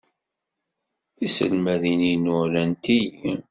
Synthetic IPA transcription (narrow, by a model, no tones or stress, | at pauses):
isə̰lmæðininʊlænt̪iji